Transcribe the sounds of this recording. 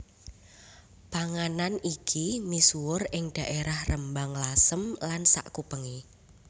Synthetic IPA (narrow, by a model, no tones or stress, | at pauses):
paŋananikʰinisuʊrɪŋd̥a̤ʔeɾahrəmbaŋlasəmlansa̰ʔkupəŋi